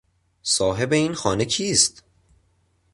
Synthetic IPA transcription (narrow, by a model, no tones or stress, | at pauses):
sɒːɦe̞be̞iːnxɒːne̞cʰiːst̪